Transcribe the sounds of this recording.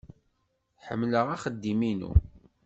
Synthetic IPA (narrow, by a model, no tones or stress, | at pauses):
ħə̰mːləʁaχəd̪ːiminṵ